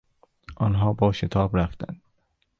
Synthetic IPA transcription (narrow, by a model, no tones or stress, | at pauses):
ʔɒnɦɒːbɒːʃet̪ʰɒːbɾæft̪æ̰nd̪̥